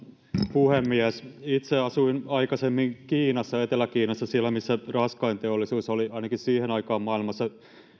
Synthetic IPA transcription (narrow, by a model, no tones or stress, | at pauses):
puhemːiæsit̪seɑsuinɑikɑsemːiŋkiːnɑsːɑet̪elækiːnɑsːɑsiælːˑæmisːærɑskɑint̪eolːˑisuːsoliɑinɑkissiːhenɑikɑːmmɑilmɑsːɑ